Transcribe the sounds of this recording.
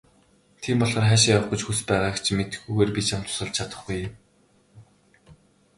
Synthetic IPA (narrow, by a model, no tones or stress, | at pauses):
t̪ʰiːmpɔɮχɞ̆rχæːʃjawə̆χɡʊ̆t͡ɕxuspæːʁaːkt͡ɕʰimet̪ɘ̆xɡuːɣeːrpʲit͡ɕʰam̥t̪ʰʊ̥sə̆ɮt͡ɕʰat̪ə̆χɡujːɪm